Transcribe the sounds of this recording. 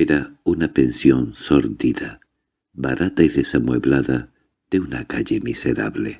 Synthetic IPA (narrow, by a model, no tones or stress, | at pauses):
eɾaunapensjo̞nsoɾðiða | βaɾat̪aiðesamweβlaða | ð̥eunakaʎemiseɾa̰βle